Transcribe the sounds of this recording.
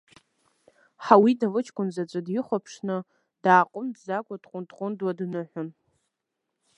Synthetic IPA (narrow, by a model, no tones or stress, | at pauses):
ħawidalɨt͡ʃʰkʷʼʊnzat͡ʃʷʼɨdjɪχʷapʰʂnɨ | d̥aːqʷʼʊmdzakʷʼadqʷʼʊntʼqʼʊndwadnɨħʷʊn